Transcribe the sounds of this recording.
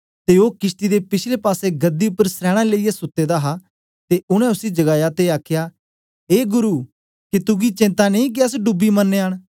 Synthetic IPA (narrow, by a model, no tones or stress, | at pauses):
t̪eoːkɪsʈ̪id̪epɪt͡ʃʰlepaːseɡɐd̪iʊpːəɾsɾɛːɽ̃aleijasʊt̪ːed̪aɦa | t̪eʊɽ̃ɛ̃ʊsid͡ʒɐɡaːjat̪eaːkʰjaː | eːɡʊɾuː | kit̪ʊɡit͡ʃɪ̃nt̪aneĩk̬iɐs̬ɖʊbimɐnːeːɦəɽ̃